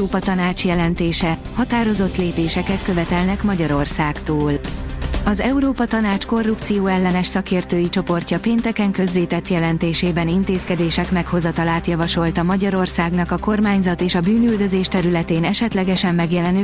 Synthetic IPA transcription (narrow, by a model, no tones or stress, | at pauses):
oːpɒt̪ɒnaːt͡ʃjɛlɛnt̪eːʃɛ | hɒt̪aːɾo̞zo̞t̪leːpeːʃɛkɛt̪kø̞vɛt̪ɛlnɛkmɒɟɒɾo̞rsaːkt̪oːl | ɒzɛuɾoːpɒt̪ɒnaːt͡ʃko̞rːupt̪sijoːɛlːɛnɛʃsɒkeːrt̪øːjit͡ʃo̞po̞rcɒpeːnt̪ɛkɛŋkø̞zleːt̪ɛt̪jɛlɛnt̪eːʃeːbɛnint̪eːskɛd̪eːʃɛkmɛkho̞zɒt̪ɒlaːt̪jɒvɒʃo̞lt̪ɒmɒɟɒɾo̞rsaːɡnɒkɒko̞rmaːɲzɒt̪eːʃɒbyːnyld̪ø̞zeːʃt̪ɛɾylɛt̪eːnɛʃɛt̪lɛɡɛʃɛmːɛɡjɛlɛny